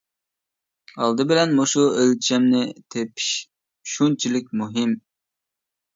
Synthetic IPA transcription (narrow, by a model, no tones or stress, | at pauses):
ɑlˠd̪ɨbɪlɛnmoʃuelt͡ʃʰɛmnɪt̪ʰepʰi̥ʃ | ʃunt͡ʃʰilɪk̚ʲmuɦɪm